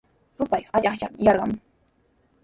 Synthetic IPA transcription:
ɾʊpɑjɢaʎɑχjamjɑɾɢɑm

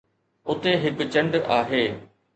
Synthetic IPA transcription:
ʊt̪eɦɪkʊt͡ɕə̃ɳɖaːɦeː

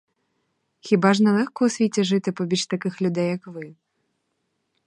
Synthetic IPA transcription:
xʲibaʐnɐlˠɛxkɔɔsʲvʲit͡sʲɛʐɨt̪ɨpɔbʲit͡ɕt̪akɨxlʲud̪ɛjɐkvɨ

